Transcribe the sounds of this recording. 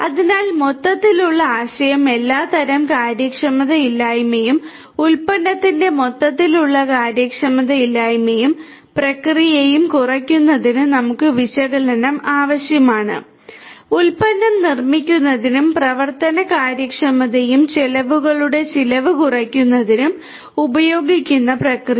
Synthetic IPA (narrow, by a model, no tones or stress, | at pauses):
ɐðinaːlmo̞t̪ːɐt̪ːiluɭːɐaːɕɐjɐme̞lːaːt̪ɐɾɐmkaːɾjɐkʂɐmɐðɐilːaːjmejum | ulpɐnːɐt̪ːinde̞mo̞t̪ːɐt̪ːiluɭːɐkaːɾjɐkʂɐmɐðɐilːaːjmejum | prɐkrijejumkurɐkʲːunːɐðinɨnɐmukːɨʋiɕɐɣɐlɐnɐmʔaːʋɐɕjɐmaːɳɨ̰ | ulpɐnːɐmnirmikʲːunːɐðinumprɐʋɐrt̪ɐnɐkaːɾjɐkʂɐmɐðejumt͡ɕelɐʋuɣɐɭuɽe̞t͡ɕilɐʋɨkurɐkʲːunːɐðinum | ubɐjo̞ːɡikʲːunːɐprɐkri